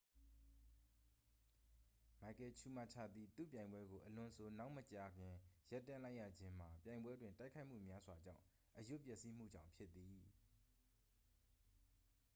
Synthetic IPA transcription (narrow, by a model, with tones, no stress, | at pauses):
ma˨kɛ˨t͡ɕʰu˦˨ma˦˨t͡ɕʰa̰˦˨d̪ði˦˨t̪ṵ˦˨pjã˨ɪ̃mbwɛ˦ɡo˨ʔəlʊ̃˨əsʰo˨na˦ʊʔmət͡ɕa˨ɡɪ̃˨ja˦tːã˦˨la˦ɪʔja̰˦˨d͡ʑɪ̃˦m̥a˨pjã˨ɪ̃mbwɛ˦dwɪ̃˨nta˦ɪkʰːa˦ɪʔm̥ṵ˦˨mja˦zwa˨d͡ʑã̰˦˨ʊ̃ | ʔəjʊ˦˨pjɛ˦ʔsi˦m̥ṵ˦˨d͡ʑã̰˦˨ʊ̃pʰjɪ˦t̪ːi˨